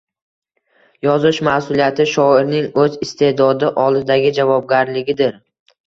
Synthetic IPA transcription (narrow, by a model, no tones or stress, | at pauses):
jɒzɪʃmasʊlijat̪ʰɪʃɒɪɾnɪŋɵzɪst̪ʰe̞d̪ɒd̪ɪʔɒlˠd̪ɪd̪aɡʲɪd͡ʒavɒb̚ɡʲaɾlɪɡʲɪd̪ɪɾ